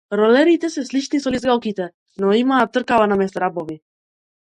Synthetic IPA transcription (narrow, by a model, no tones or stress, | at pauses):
ɾɔlɛɾit̪ɛsɛslit͡ʃnisɔlizɡalˠkit̪ɛ | nɔimaːt̪ːrkavanamɛst̪aɾabɔvi